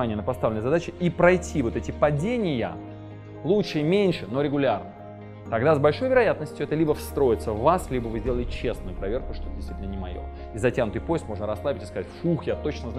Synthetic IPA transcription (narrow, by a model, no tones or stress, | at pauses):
anʲɪjənəpɐst̪avlʲɪnəjzɐd̪at͡ɕɪipɾɐjtʲʰivo̞t̪ɛtʲɪpɐdʲenʲɪjə̰ | lˠutʂɨimʲenʲʂɨno̞ɾʲɪɡʊlʲarnə | t̪ɐɡd̪azbɐlʲʂo̞jvʲɪɾɐjat̪̚nəsʲtʲjʊɛt̪əlʲibəfst̪ɾo̞ɪt̪səvːaslʲibəvɨzʲdʲeəlɪɪt͡ɕe̞snʊjʊpɾɐvʲe̞rkʊʂt̪ot̪ədʲɪst̪vitʲnənʲɪmɐ̰jo̰ | izɐtʲanʊt̪ɨjpo̞jɪst̪mo̞ʐnəɾɐslˠabʲɪtʲɪ̥skɐzatʲfuxjat̪o̞t͡ɕnəzn